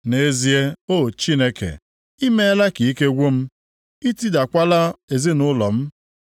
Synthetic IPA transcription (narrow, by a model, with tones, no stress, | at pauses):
ne˨˦zi˦e˦o˦˨t͡ʃi˦ne˦kḛ˨ | i˦me˦la˦ki˨i˦ke˦ɡʷo˦m̩˦ | i˦ti˦da˨kʷa˦la˦e˨zi˦nʊ˦lɔ˨m̩˦